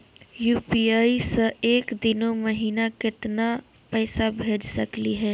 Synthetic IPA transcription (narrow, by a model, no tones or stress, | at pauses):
juːpiaːisəeːkd̪ɪnoməɦiːnakɪt̪na | pɛːsabʱeːd͡ʒsɐkliɦɛː